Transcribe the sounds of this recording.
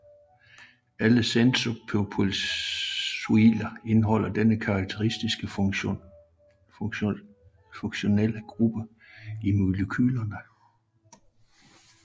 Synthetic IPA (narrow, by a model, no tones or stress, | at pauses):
æləsensopʰøpʰol | suilɐe̝nɦɒ̽l̰ɐd̥enəkʰɑ̈ːɡ̥̚t͡sʰeʁisd̥isɡ̥ə | foŋɕo̝nel̰əɡ̥ʁub̥ə | imuləkʰyːlɐnə